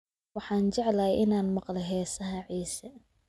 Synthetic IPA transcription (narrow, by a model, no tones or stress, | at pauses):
wɑħɑːnt͡ʃɐʕlɐjʔɪnaːnmɑqlɛɦɛːsɐɦɐʕiːsɐ